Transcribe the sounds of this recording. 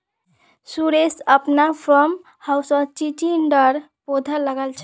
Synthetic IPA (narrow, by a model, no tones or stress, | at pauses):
suɾesəpnapʰəm | hawsət͡ʃit͡ʃinɖəɾ | pod̪ʱəlːəɡəlt͡ʃʰ